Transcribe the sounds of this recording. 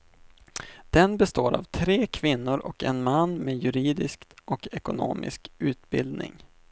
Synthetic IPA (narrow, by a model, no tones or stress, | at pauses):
d̪̥ɛnbɛst̪oːɾa̰vt̪ʰɾeːkʰvɪnːʊɾʔɔkɛnmanːmejɵɾiːd̪ɪskt̪ʔɔkɛkʊno̰ːmʔɪ̰skʉ̟ːt̪bɪld̪nɪ̰ŋ